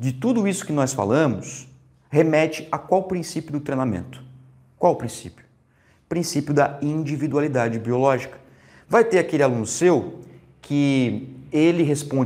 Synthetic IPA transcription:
d͡ʒɪt̪ud̪ʊisʊ̥kɪnɔsfa̰lɐ̃mʊs | hemɛt͡ʃɪakwawpɾĩsipjʊd̪ʊt̪ɾejnamḛ̃nt̪ʊ̥ | kwawpɾĩsḭpjʊ̥ | pɾĩsipjʊd̪ɐĩd͡ʒivid̪ualid̪ad͡ʒɪbiolɔʒikɐ̥ | vajt̪eɾakelɪalũnʊsew | kʰɪ | elɪɦespõ

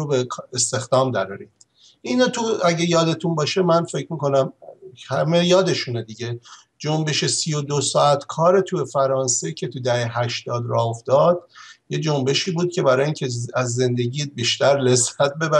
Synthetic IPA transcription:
obekʰest̪e̞xd̪ɒːmd̪æɾɒɾi | ʔinɒːt̪ʰuæɟejɒːd̪e̞t̪ʰunbɒːʃe̞mænfe̞cʰmiːko̞næmhæme̞jɒːd̪e̞ʃuned̪iɟe | d͡ʒombe̞ʃesijod̪osɒːæt̪ʰkʰɒːɾet̪ʰujefæɾɒːnse̞cʰe̞t̪ʰud̪æheɦæʃt̪ɒːd̪ɾɒofd̪ɒːd̪jed͡ʒo̞mbe̞ʃiːbuːd̪̚cʰe̞bæɾɒːjiŋcʰeæzːe̞nd̪e̞ɟibiːʃt̪æɾlezæt̪̚be̞bæ

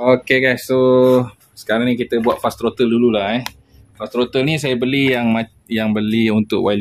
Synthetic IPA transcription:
okeɡajsːo | sə̥kaɾaŋnĩkit̪əbuaʔ̪̚fast̪ɾot̪əldululahɛ | fast̪ɾot̪əlnĩs̬ajabəlijaŋma | jaŋbəliunt̪ʊkwʔal

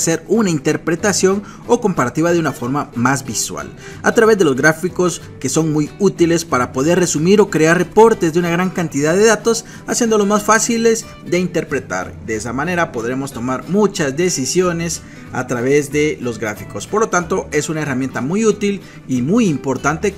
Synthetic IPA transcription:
se̞ɾunaint̪e̞ɾpɾe̞t̪asjo̞n | o̞ko̞mpaɾat̪iβaðeunafo̞ɾmamazbiswa̰l | a̰t̪ɾaβe̞zd̪e̞lozɣɾafiko̞s | ke̞so̞ŋmujut̪ile̞spaɾapo̞ðe̞ɾre̞sumiɾo̞kɾe̞arre̞po̞ɾt̪e̞zd̪eunaɣɾaŋkant̪iðaðe̞ðat̪o̞s | asje̞nd̪o̞lo̞zmasfasile̞z | d̪e̞int̪e̞ɾpɾe̞t̪a̰ɾd̪eesamane̞ɾapo̞ðɾe̞mo̞st̪o̞maɾmut͡ʃazd̪e̞sisjo̞ne̞s | a̰t̪ɾaβe̞zd̪e̞lo̞zɡɾa̰fiko̞spoɾlo̞t̪ant̪o̞e̞sunaeramje̞nt̪amujut̪il | imujimpo̞ɾt̪ant̪e̞

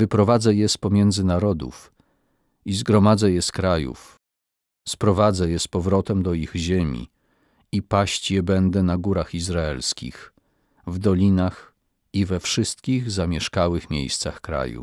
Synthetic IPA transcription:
vɘpɾɔvad̪zɛjɛspɔmʲjɛnd̪zɘnaɾɔd̪ṵf | izɡɾɔmad̪zɛjɛskɾajṵf | spɾɔvad̪zɛjɛspɔvɾɔt̪ɛmd̪ɔiɣʑemʲḭ | ipaɕt͡ɕjɛbɛnd̪ɛnaɡuɾaxizɾaɛ̰lskʲḭx | vd̪ɔlʲinax | ivɛfʂɘst̪kʲiɣzamʲjɛʂkawɘxmʲḛjst̪saxkɾa̰jṵ

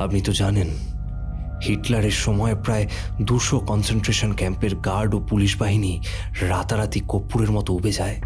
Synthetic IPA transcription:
apnit̪od͡ʑanen | hiʈlaɾeɾʃɔmɔepɾae | d̪uɾʃokɔnsenʈɾeʃonkɛmpeɾɡaɾɖopuliʃbaɦini | ɾat̪aɾat̪ikopːuɾeɾmɔt̪oubed͡ʑae

